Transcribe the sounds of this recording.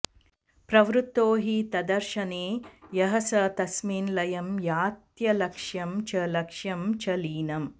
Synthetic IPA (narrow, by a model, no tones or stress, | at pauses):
pɾɐʋɾut̪ːoːɦit̪ɐd̪ɐɾʃɐneːjɐɦɐsɐt̪ɐsmiːnlɐjɐmjaːt̪jɐlɐkʂjɐmt͡ʃɐlɐkʂjɐmt͡ʃɐliːnɐm